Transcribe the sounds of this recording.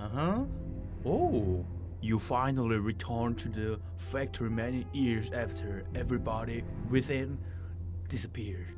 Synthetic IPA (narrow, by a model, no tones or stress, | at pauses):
əɦʌ | o | jɨfãɪnəl̩ˠiɹitʰɜ̃˞ntʰɨðɨ | fæk̚tʰəɹimɛnijɪɹzæftʰə˞ | ɛvɹibɑɾiwɪθɪ̃n | d̥ɪsəpʰɪɹd̥